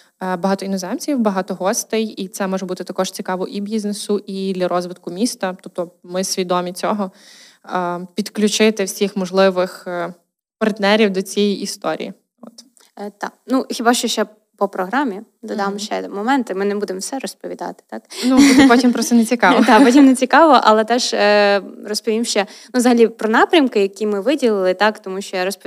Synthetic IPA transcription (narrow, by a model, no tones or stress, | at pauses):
bɐɦɑt̪ɔinɔzɛmt͡sʲiwbɐɦɑt̪ɔɦɔst̪ɪjit̪sɛmɔʒɛbut̪ɪt̪ɐkɔʃt͡sʲikɑʋɔʔibʲiznesʊʔid̪lʲɐɾʔɔzʋɪt̪kʊmʲist̪ɐt̪up̚t̪ɔmɪsʲʋʲid̪ɔmʲit͡sʲɔɦɔ | pʲid̪klʲʊt͡ʃɪt̪ɪwsʲixmɔʒlˠɪʋɪx | pɐrt̪nɛɾʲiwd̪ɔt͡sʲjɛjiʔist̪ɔɾʲḭjḭ | ɔ̰t̪ | t̪ɑ̰knuxʲibɑʃt͡ʃɔʃt͡ʃɛ | pɔpɾɔɦɾɑmʲi | d̪ɔd̪ɑmʃt͡ʃɛ̰mɔmɛnt̪ɪmɪnɛbud̪emwsɛɾɔspɔʋʲid̪ɑ̰t̪ɪ̥t̪ɑknupɔtʲimpɾɔst̪net͡sʲikɑʋɔd̪ɑpɔtʲimnet͡sʲikɑʋɔʔɐ̰lˠɛt̪ɛʒ | rɔspɔʋʲimʃt͡ʃɛnuzɐɦɐlʲipɾɔnɑpɾʲɐmkɪjɐkʲimɪʋɪdʲilˠɪlˠɪt̪ɑkt̪ɔmuʃt͡ʃɔjaɾɔsp